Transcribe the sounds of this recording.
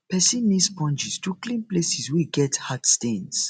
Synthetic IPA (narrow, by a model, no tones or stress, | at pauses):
pɛsĩnːispɔ̃nd͡ʒistuklĩnplesiswiɡɛthadstẽns